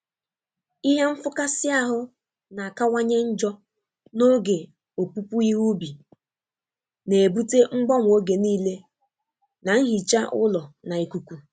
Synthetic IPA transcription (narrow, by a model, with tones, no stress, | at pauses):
i˦ɦe˦m̩˦fʊ˦ka˦sɪ˦a˦ɦʊ˦ | na˨a˨ka˦wa˦ɲe˦n̩˦d͡ʒɔ˦ | no˦ɡe˨ | o˨pu˦pu˦i˦ɦu˦bi˨ | ne˨e˨bu˦te˦ŋ͡m̩˦ɡ͡bɔ˦ŋʷ˨o˦ɡe˨niː˦le˦ | na˨ŋ̩˦ɦi˨t͡ʃa˦ʔʊ̰˦lɔ˨na˨i˨ku˨kʷu˨